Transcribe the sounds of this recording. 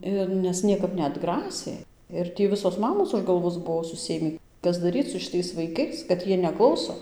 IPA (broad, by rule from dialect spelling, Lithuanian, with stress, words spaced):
ˈɪr nʲɛs ˈnʲiɛkɐp nʲɛɐdˈɡrɑːsʲeː ɪr ˈtʲiː ˈʋʲɪsoːs ˈmɑːmoːs ʊʃ ɡɐlˠˈʋoːs ˈbuɔ sʊˈsʲeːmʲiː ˈkɐs dɐˈrʲiːt͡s sʊ ʃʲɪˈtɐɪs ʋɐɪˈkɐɪs kɐt ˈjiɛ nʲɛˈklˠɐʊsoː